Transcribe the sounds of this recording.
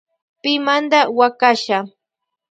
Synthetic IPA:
pɪmand̪awakaʃa

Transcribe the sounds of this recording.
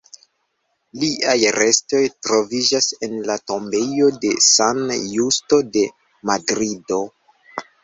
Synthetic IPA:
liʔajɾe̞sto̞jtɾo̞vid͡ʒase̞nlato̞mbe̞jo̞de̞sanjusto̞de̞ | madɾido̞

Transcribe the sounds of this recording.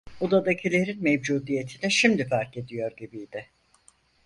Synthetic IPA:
od̪ad̪acʰilʲe̞ɾinmevd͡ʒuːd̪ije̞t̪ʰinɛʃimd̪ifæɾce̞d̪ijo̞ɾɟibijd̪ɪ

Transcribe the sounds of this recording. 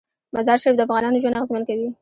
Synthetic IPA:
mazɑɾʃaɾɪfd̪əafɣɑnɑnoʒwand̪aɣɪzmankawi

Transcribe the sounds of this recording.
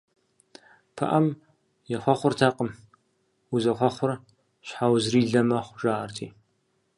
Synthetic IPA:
pʰɐ̰ʔɐm | jɛxʷɔχʷʊrtʰaːqəm | wuzɐχʷɔχʷʊr | ɕħawzriːɮɐmɐχʷʒ̥aːrtʰḭː

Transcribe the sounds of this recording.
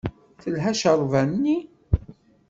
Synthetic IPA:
θəlɦæʃəɾˤvænnːi

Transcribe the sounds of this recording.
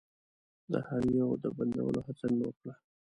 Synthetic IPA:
d̪ə̰haɾijod̪əband̪a̰wə̰lohat͡sanawəkɽa

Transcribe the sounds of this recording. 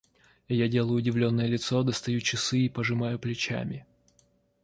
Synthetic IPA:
jadʲe̞lˠəjʊːdʲɪvlʲo̞nːəjəlʲɪt̪sod̪əst̪ɐjut͡ɕɪsɨipəʐɨmajʊplʲɪt͡ɕa̰mʲɪ

